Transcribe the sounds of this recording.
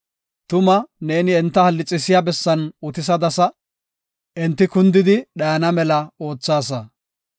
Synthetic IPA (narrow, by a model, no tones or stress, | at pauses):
t̪ʊmɐne̞ːnɪɛnt̪ːɐhɐlːɪt͡sʼːɪsɪjabɛsːɐnʊt̪ɪs̬ɐd̪ɐsɐ | ʔɛnt̪ːɪkʊnd̪ɪd̪ɪɗɐjɐnɐmɛlɐo̞ːt͡sːaːs̬ɐ